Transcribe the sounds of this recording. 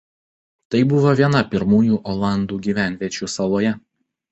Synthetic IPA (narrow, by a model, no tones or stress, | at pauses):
t̪ɐɪbʊʋoːʋʲiɛnɐpʲɪɾmuːjuːʔɔlˠɑˑnd̪uːɡʲiːʋʲæˑnʲʋʲiɛt͡ʃʲuːsɐlˠoːjɛ